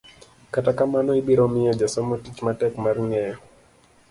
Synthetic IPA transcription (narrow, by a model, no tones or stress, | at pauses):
katakamanɔibiɾɔmɪɔd͡ʒasɔmɔtit͡ʃmatɛkmarŋɛjɔ